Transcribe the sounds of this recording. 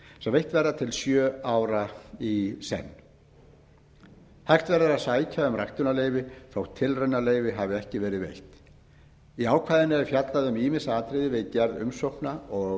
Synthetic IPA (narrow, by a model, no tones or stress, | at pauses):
sɛvejht̪vɛɾðat̪ʰɪlsjœːaːwɾaisɛ̰nː | hajht̪vɛɾðaðaðsaːjcʰaʏmrajht̪ʏnaleːjvɪθawt̪ʰɪlrœnːaleːjvɪɦavɪɛhcɪvɛːɾɪðvḛjht̪ | iaːwkʰvaːðɪnːɛɾʏfjat̪laðʏmiːmɪsaaːt̪ɾɪðɪvɪðcɛɾðʏmsowhknaɔ